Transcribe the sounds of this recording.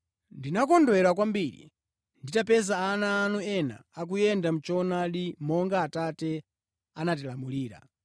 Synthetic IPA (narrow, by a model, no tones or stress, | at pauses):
ndinak̬ɔndwɛɾak̬wambiːɾḭ | nditapɛzaːnaːnuɛna̰ːk̬ujɛndam̩t͡ʃɔnaɗimɔŋɡaːtatɛ | anat̬ilamuliːɾa̰